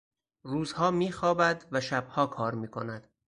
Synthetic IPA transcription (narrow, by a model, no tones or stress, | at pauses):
ruːzhɒːmiːxɒːbæd̪væʃæb̥̚hɒːkʰɒːɾmiːkʰo̞næd̪̥